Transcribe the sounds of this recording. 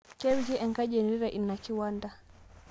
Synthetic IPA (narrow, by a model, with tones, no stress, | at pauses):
kɛ˦wid͡ʒi˦ʔɛ˨ŋɡa˦ʄɛ˨nɾi˦ɾa˨ʔi˨na˨ki˦wa˦nda˨